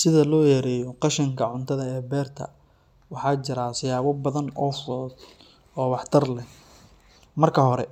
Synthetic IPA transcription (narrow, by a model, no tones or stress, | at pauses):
sɪðɐlɔːjɛɾɛːjɔqɑʃɪŋkʰɐʕʊnt̪ʰɐðɐɛːbɛːrt̪ʰɐ̰ | wɑħɑːt͡ʃɪɾasɪjaːβɔbɐðɐnɔːfɔːd̪ | ɔːwɑħt̪ʰɐrlɛh | mɐrkʰɐɦɔɾɛ